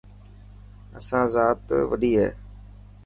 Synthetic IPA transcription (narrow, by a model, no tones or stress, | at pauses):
əsãːzaːt̪ʋəɗiːɦɛ̰ː